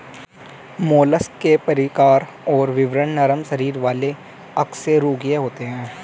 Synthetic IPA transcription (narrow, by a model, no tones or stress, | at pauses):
moːləskepɐɾɪkaːɾ | ɔːɾʋɪʋɾəɳnəɾəmʃəɾiːɾʋaːle | ɐkseɾuːɡjeɦoːt̪eɦɛ̃ː